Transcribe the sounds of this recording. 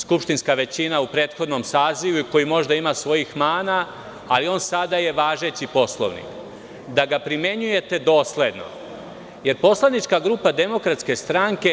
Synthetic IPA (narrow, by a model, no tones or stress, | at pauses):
skupʃt̪inskaʋe̞t͡ɕinaupɾe̞ːt̪xo̞d̪no̞msaːziʋuiko̞jimo̞ʒd̪aimasʋo̞jixmaːnaː | lio̞ːnsad̪aje̞ʋaːʒe̞t͡ɕipo̞slˠo̰ʋnḭk | d̪aɡapɾime̞ɲuje̞t̪e̞d̪o̞ːsle̞d̪no̞̰ | je̞ɾpo̞slˠaʋnit͡ʃkaɡɾuːpad̪e̞mo̞kɾat̪ske̞st̪ɾaŋke̞